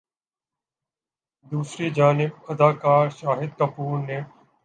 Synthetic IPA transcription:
d̪uːsɾiːd͡ʒaːnɪb̚ɐd̪aːkaːɾʃaːɦɪd̪̚kəpuːɾneː

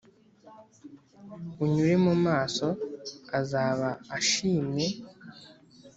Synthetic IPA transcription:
uɲuɾe̞mumaːso̞azaːβaːʃiːme̞

